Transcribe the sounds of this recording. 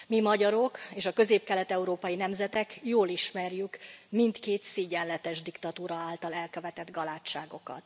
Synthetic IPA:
mimɒɟɒɾo̞keːʃɒkø̞zeːp̚kɛlɛt̪ɛuɾoːpɒjinɛmzɛt̪ɛkjoːliʃmɛrjykmint̪keːt̪siɟɛnlːɛt̪ɛʒd̪ikt̪ɒt̪uːɾɒaːlt̪ɒlɛlkøvɛt̪ɛd̪ɡɒlaːt͡ʃːaːɡo̞kɒ̰t̪

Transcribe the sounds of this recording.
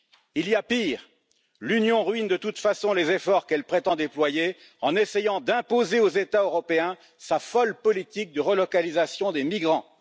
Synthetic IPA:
iliapiʁ | lynjɔ̃ʁɥind̪ət̪ut̪fasɔ̃lezefɔʁkɛlpχet̪ɑ̃d̪eplwaje | ɑ̃nesejɑ̃d̪ɛ̃pozeozet̪aøʁɔpeɛ̃ | safɔlpɔlit̪ik̚d̪əʁəlɔkalizasjɔ̃d̪emiɡʁɑ̃

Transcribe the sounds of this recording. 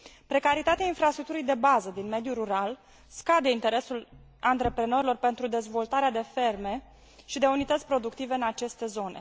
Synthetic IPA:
pɾe̞kaɾit̪at̪eainfɾast̪ɾuk̚t̪uɾijd̪e̞bazəd̪inme̞d̪juɾuɾal | skad̪e̞int̪e̞ɾe̞sul | ant̪ɾe̞pɾe̞no̞ɾilo̞rpe̞nt̪ɾud̪e̞zvo̞lt̪aɾead̪e̞fe̞rme̞ | ʃid̪e̞unit̪ət̪sʲpɾo̞d̪ukt̪ive̞ɨnat͡ʃe̞st̪e̞zo̞ne̞̰

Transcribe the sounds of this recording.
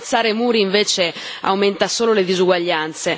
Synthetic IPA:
t̪sːaːɾemuːɾiːɱveːt͡ʃe | a̰wment̪asoːloled̪izuɡwaʎːant̪se

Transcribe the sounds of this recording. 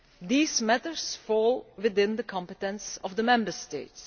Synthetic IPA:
ðiːzmætə˞sfɔlˠwɪðɪ̃nðəkʰɑ̃mpətə̃nsʌvðəmɛ̃mbə˞steɪts

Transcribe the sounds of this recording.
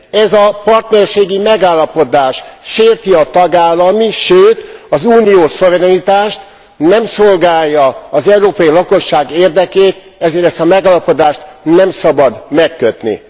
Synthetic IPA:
ɛzɒpɒrt̪nɛrʃeːɡimɛɡaːlːɒpo̞d̪aːʃʃeːrt̪iɒt̪ɒɡaːlːɒmiʃøːt̪ɒzuːnijoːso̞vɛɾɛnit̪aːʃt̪ | nɛmso̞lɡaːjːɒːzɛuɾoːpɒjilɒko̞ʃːaːɡeːrd̪ɛkeːt̪̚ | ɛzeːɾɛst̪ɒmɛɡaːlɒpo̞d̪aːʃt̪nɛmsɒbɒd̪mɛkːøt̪nḭ

